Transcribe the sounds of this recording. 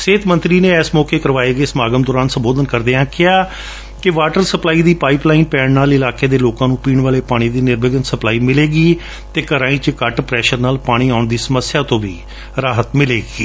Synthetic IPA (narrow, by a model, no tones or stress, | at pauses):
seːt̪mə̃nt̪ɾiːneːɛːsmɔːkeːkəɾʋaːeːɡeːsəmaːɡəmd̪ɔːɾaːnsəmboːd̪ənkəɾd̪eːãːkɪaː | kɪʋaːʈəɾsəplaːiːd̪iːpaːiːplaːinpɛːɳnaːlɪlaːkeːd̪eːloːkãːnũːpiːɳʋaːleːpaːɽ̃iːd̪iːnɪɾbɪɡənsəplaːiːmɪleːɡiː | t̪eːkəɾãːĩːt͡ʃkəʈpɾɛːʃəɾnaːlpaːɽ̃iːaːʊɳd̪iːsəməsɪjaːt̪õːʋiː | ɾaːɦət̪mɪleːɡiː